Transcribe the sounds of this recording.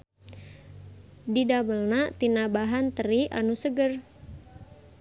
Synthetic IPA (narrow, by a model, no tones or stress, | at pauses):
didabəlnat̪inabaɦant̪əɾiʔa̰nusəɡər